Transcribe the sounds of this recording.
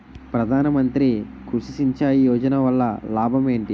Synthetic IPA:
pɾɐd̪ʱaːnɐmɐnt̪ɾikuʂisiɲt͡ʃaːjijɔːd͡ʒɐnɐʋɐlːɐlaːbʱɐme̞ːɳʈi

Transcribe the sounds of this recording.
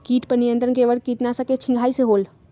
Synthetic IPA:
kiʈpənijənt̪ɾənkeʋəlkiʈnasə̃ket͡ʃʰĩŋɡʱaisẽɦol

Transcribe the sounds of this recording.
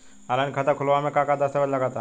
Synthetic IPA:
aɾankʰat̪akʰulʋamekakad̪ast̪aʋət̪laɡat̪a

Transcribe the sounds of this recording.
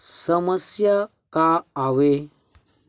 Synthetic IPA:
səməsja | kaːʋe

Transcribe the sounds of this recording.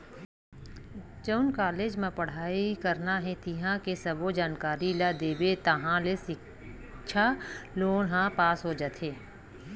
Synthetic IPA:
t͡ʃəʊnkaːleːd͡ʒmẽpɐɽ̤aːikəɾnaɦɛ̃t̪iɦãkesɐbod͡ʒaːnkaːɾilad̪eːbet̪ɐɦãlesɪ | ʃʰaloːnɦãpaːsɦoːd͡ʒət̪ʰeː

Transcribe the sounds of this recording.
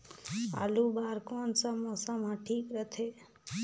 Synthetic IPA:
a̰lubaːɾkɔnsamɔsamãʈʰiːkɾət̪ʰe

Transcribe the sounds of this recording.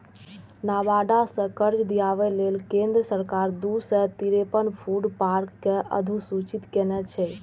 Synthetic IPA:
nabaɖasə̃kəɾd͡ʒd̪ijaβɛlelkẽnd̪ɾəsəɾkaɾd̪usɛt̪iɾepənpʰuɖpaɾkːeʔə̰d̪ʱusut͡ʃit̪kenɛt͡ʃʰɛ

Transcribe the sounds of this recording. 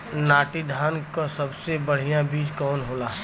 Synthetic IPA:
naːʈid̪ʱaːnkosɐbsebəɽ̤ijãbiːd͡ʒkɔːnɦoːlaː

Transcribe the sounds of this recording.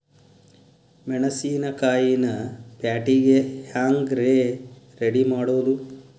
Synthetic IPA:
mɛɳɐsiːnɐkaːjinɐpjaːʈiɡehaːŋɡɾeːɾeɽimaːɽoːlu

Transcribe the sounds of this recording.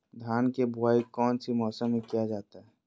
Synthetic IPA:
d̪ʱjaːnkebʱʊaːikɔːnsimɔːsəmːẽkijad͡ʒaːt̪aɦɛː

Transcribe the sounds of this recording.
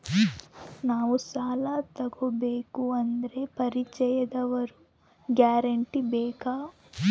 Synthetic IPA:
naːʋusaːlat̪ɐɡobeːkuɐnd̪ɐɾe̞pɐɾit͡ʃɛjɐd̪ɐʋɐɾu | ɡjaːɾɐɳʈibeːkaː

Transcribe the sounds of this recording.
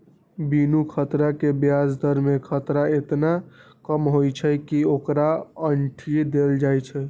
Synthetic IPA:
binukʰət̪ɾakebjasd̪ʱəɾmekʰət̪ɾaet̪nakəmɦojt͡ʃʰəkiokɾaəɳʈʰid̪eld͡ʒajt͡ʃʰɛ

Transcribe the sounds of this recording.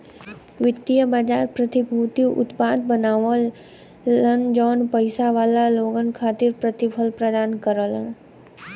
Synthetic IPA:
ʋɪt̪ijəbaːd͡ʒaːɾpɾət̪ibʱuːt̪iʔʊ̰t̪paːd̪bənaːʋəl | ənd͡ʒɔːnpəɪsaʋaːlaloːɡənkʰaːt̪ɪɾpɾət̪ɪpʰəlpɾəd̪aːnkəɾələn

